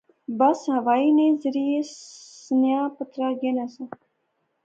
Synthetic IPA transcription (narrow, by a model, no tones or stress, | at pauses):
bəsɦəʋaːiːnẽːzəɾiːesnjãːpət̪ɾaːɡenasa